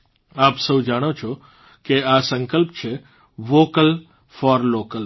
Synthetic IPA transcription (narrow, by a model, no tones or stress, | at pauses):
aːpsəud͡ʒaːɽ̃ot͡ʃʰo | keasə̃ŋkəlpt͡ʃʰe | ʋoːkəl | fɔːɾloːkəl